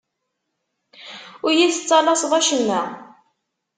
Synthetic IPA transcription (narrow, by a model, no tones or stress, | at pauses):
ʊɾjiθət͡sːɑlɑsˤðˤæʃənːæ